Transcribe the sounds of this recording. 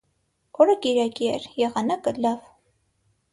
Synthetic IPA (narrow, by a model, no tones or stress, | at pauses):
ɔɾəkiɾɑkiɛɾjɛʁɑnɑkəlɑv